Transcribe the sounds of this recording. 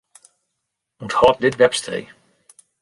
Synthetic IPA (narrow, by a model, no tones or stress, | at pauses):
uthɔt̚dɪtʋɛpstrḛ